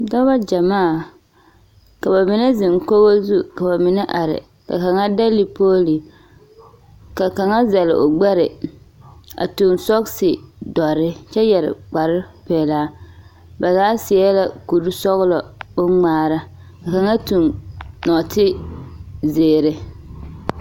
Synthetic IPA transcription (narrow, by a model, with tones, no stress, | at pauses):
dɔ˦ba˦d͡ʒa˨maː˦˨ | ka˨ba˨mɪ˨nɛ˦zɪ˨ŋko˦ɣo˦zu˦ka˨ba˨mɪ˨nɛ˦ʔa˨ɾɪ̰˨ | ka̰˨ka˨ŋa˦da˦li˨poː˦li˨ | ka˨ka˨ŋa˦za˨lɪ̰˨ʔo˨ɡ͡bɛ˦ɾɪ˨ | a̰˨tu˨nsɔ˦ksɪ˨dɔ˨ɾɪ˦t͡ʃɛ˦jɛ˨ɾɪ̰˨k͡pa˨ɾɪ˦pɛː˨laː˦ | ba˨zaː˨˦sɪ˨ɛ˦la˨ku˨ɾu˦sɔ˦ɣlɔ˨bʊ˦ŋ͡maː˨˦˨ɾa˦ | ka˨ka˨ŋa˦tu˨nnɔ˨tɪ˦ | zeː˨ɾɪ˨